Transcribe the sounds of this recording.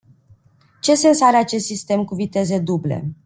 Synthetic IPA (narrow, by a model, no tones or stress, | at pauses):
t͡ʃe̞se̞nsaɾeat͡ʃe̞st̪sist̪e̞mkuvit̪e̞ze̞d̪uble̞̰